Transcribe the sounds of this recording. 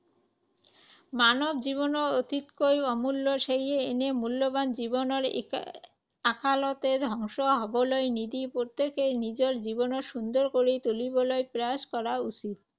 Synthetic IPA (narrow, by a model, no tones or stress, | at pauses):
manobd͡ʑiβonoot̪it̪kojɔmulːoʃejeenemulːoband͡ʑibonoɾ | akʰalot̪ed̪ʱɔŋʃoɦɔbolojnid̪ipoɾt̪ekenid͡ʑoɾd͡ʑibonoɾʃund̪oɾkoɾet̪olibolojpɾaskɔɾausid̪